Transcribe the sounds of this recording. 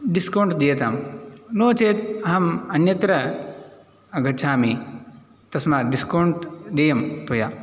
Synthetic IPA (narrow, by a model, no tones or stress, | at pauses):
ɖiskɐwɳʈd̪eːɐt̪amnoːt͡ʃeːt̪ɐɦɐmɐnjɐt̪ɾɐ | ɐɡɐtːʃʰaːmi | t̪ɐsmaːɖiskɐɳʈd̪ejɐmt̪ɐjaː